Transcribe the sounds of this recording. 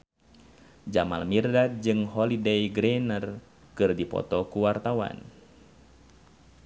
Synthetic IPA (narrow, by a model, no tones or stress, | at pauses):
d͡ʒama̰lmirdad͡ʒɨŋɦɔlidejɡɾɛnər | kɨrdipɔ̰t̪ɔkuwart̪awa̰n